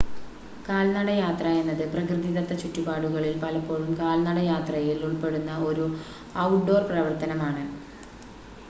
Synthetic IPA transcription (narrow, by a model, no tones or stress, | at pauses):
kaːlnɐɽɐjaːt̪rɐe̞nːɐðɨprɐkrɨðiðɐt̪ːɐt͡ɕutːubaːɽuɣɐɭilpɐlɐpːo̞ːɻumkaːlnɐɽɐjaːt̪rɐjiluɭpe̞ɽunːɐo̞ɾu | ɐwʈɖo̞ːrprɐʋɐrt̪ɐnɐmaːɳɨ